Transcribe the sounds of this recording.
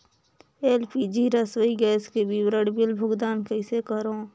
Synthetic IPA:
eːlpʰid͡ʒiːɾəswəiɡɛːskebibɾəɽbɪlbʱʊɡd̪aːnkəɪsekəɾõː

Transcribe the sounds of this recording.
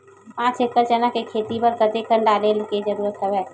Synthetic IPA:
pãːt͡ʃekkəɾt͡ʃənakekʰeːt̪ipəɾkət̪ekəɳɖaːlelked͡ʒəɾuːɾət̪ːəbɦɛː

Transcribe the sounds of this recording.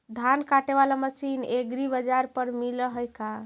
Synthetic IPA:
d̪ʱankaʈeβalaməsineɡɾibəd͡ʒaɾpəɾmiləɦəjka

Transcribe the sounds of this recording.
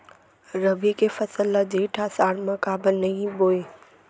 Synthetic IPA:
ɾəbikefɐsəlːad͡ʒiːʈʰasaːɾmɐ̃kaːbɪlnɐɦĩboːe

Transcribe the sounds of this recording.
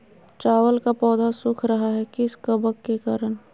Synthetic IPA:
t͡ʃaːwəlkapɔːd̪asʊkʰɾɐɦaɦɛkɪskəbəkːekaːɾən

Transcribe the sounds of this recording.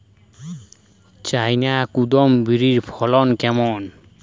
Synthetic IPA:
t͡ʃajnakud̪ɔmbiɹiɹpʰɔlɔnkɛmɔn

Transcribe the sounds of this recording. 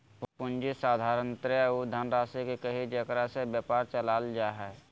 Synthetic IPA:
pʊnd͡ʒisaːd̪ʱaːɾənt̪ɾaud̪ʱənɾaːsekikəɦid͡ʒəkɾasebjəpaːɾt͡ʃəlaːld͡ʒaːɦɛː

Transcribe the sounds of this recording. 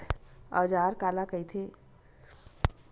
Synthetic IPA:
a̰ːd͡ʒaːɾkaːlakəit̪ʰeː

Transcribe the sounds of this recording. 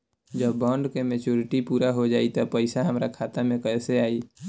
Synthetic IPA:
d͡ʒəbːə̃ɳɖkemet͡ʃuɾɪʈipuːɾaɦod͡ʒaːit̪ɔpəɪsaɦəmɾakʰaːt̪amẽkəseaːi

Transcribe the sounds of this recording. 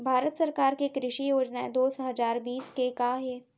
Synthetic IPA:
bʱaːɾət̪sɐɾkaːɾkekɾɪʃijoːd͡ʒnaed̪oːsɦɐzaːɾbiːskekaːɦeː

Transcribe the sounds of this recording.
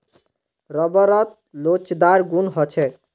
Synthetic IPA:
ɾʌbəɾʌt̪̚ | lot͡ʃd̪aɾɡunɦɔt͡ʃʰɛ

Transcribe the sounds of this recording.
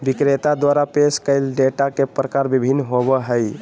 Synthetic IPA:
bikɾet̪ad̪waɾapeskəɪlɖeʈakepɾəkaɾbibʱinːɦobəɦəj

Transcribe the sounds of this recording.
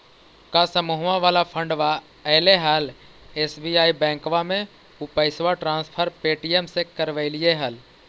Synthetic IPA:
kasəmuɦʋãʋaːlapʰə̃ɳɖʋa | əleɦal | eːsbiaːibɛ̃ːŋkʋamẽ | ʊpəɪsʋaʈɾãːnspʰəɾpeːʈijemsekəɾʋəɪlieɦəl

